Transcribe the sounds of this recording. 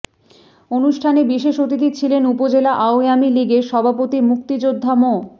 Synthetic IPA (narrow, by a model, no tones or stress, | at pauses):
onuʃʈʰanebiʃeʃot̪it̪̬it͡ɕʰilenupod͡ʑelaʔaoamiliɡeʃɔbʱapot̪imuk̚t̪id͡ʑod̪ʱːamo